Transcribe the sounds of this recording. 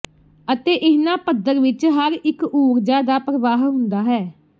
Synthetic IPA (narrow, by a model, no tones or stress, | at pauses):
ət̪eːʔɪɦnãːpəd̪əɾʋɪt͡ʃɦəɾɪkuːɾd͡ʒaːd̪aːpɾəʋaːɦɦʊ̃nd̪aːɦɛː